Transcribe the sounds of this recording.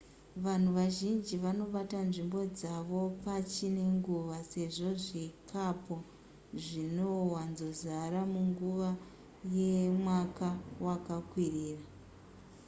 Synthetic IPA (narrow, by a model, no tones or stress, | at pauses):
ʋan̤uʋaʒind͡ʒiʋano̞ɓatanʐimbo̞d͡zaʋo̞pat͡ʃine̞ŋɡuʋase̞ʐo̞ʐikapo̞ | ʐino̞wanzo̞zaɾamuŋɡuʋa | je̞mwakawakakwiriːra